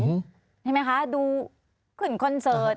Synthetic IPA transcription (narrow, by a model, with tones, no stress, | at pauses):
t͡ɕʰa˥˩˨ma˦˥jkʰa˦˥duː˧ | pʰɯ˨˩nkʰɔ˧nsɤː˨˦˥t̪̚